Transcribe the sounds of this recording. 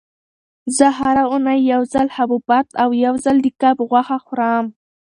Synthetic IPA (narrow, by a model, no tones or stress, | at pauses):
zəɦaɾaʊnajːawzalhabubat̪awjawzald̪əkabɣwaxaxʊɾam